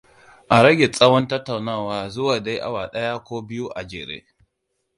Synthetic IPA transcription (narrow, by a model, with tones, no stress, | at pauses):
ʔa˨ɾɐ˦ɡʲe˨t͡sʼɐ˦wɔ˦ntɐ˦tːa˨wnaː˦˨waː˨zʊ˦waː˨da˦jʔa̰˨waː˨ɗɐ˦ja˦kʷoː˦bɪ˦ju˦ʔa˨d͡ʒeː˨ɾḛː˦